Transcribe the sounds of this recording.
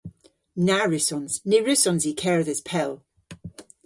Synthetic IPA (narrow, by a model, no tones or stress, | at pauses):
naɹʉsɔ̃nz̥niɹʉsɔ̃nzikʰɛɹðɪz̥pʰɛlˠ